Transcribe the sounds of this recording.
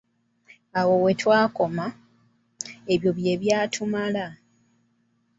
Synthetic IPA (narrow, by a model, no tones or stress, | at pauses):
awo̞we̞twaːko̞ma | eβjo̞βje̞βjaːtʰumala